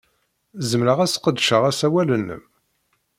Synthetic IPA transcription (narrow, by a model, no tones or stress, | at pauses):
zəmɾəʁæsqəd̪ʃəʁæsæwælənːə̰m